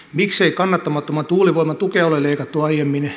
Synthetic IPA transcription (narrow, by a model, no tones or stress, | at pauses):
mikseikɑnːɑt̪ːɑmɑt̪ːomɑt̪uːliʋoimɑt̪ukeoleleikɑt̪ːuɑijemːin